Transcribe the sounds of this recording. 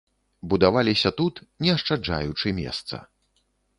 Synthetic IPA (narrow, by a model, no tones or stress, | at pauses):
bud̪avalʲisʲɐt̪ut̪nʲɛɐʂt͡ʂad͡ʐa̰jut͡ʂɨmʲɛ̰st̪sɐ̰